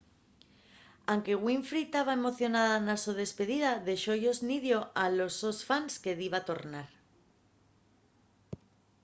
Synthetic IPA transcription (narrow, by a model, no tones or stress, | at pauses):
aŋke̞ɣwiɱfɾit̪aβae̞mo̞θjo̞naðanasuð̞e̞spe̞ðiðaðe̞ʃo̞ʝo̞zniðjo̞ʔalo̞zo̞sfanske̞ðiβat̪o̞ɾnaɾ